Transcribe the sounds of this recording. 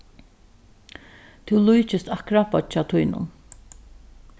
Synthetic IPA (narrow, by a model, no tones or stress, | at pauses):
t̪ʰʊwlujt͡ʃɪst̪akɾapɔt͡ʃaːt̪ʰʊjnʊ̰n